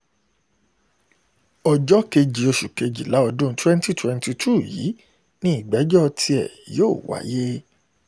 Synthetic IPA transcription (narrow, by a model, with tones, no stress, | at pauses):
ɔ˨d͡ʒɔ˦ke˧d͡ʒi˨o˧ʃu˨ke˧d͡ʒi˨la˨˦ɔ˧dõ˦twɛ̃˦n˦ti˦twɛ̃˧nti˧tʰu˦˨jḭ˨˦ | nĩ˦i˦˨ɡ͡bɛ˨˦d͡ʒɔ˦tʰi˧ɛ˦˨joː˦˨wa̰˨˦je˦